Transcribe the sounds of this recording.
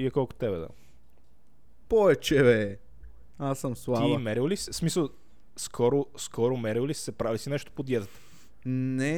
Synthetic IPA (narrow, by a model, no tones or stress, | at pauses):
iɛkɔlˠko̥t̪ɛbɛd̪a̰ | pɔvɛt͡ʃɛvɛ | asəmslˠaivɐmɛɾillisismisəlˠ | skʰɔɾoskʰɔɾʊmɛɾilisi̥sɛpɾavisinɛʃt̪o̥pod̪jɛt̪ət̪ə̥ | nɛ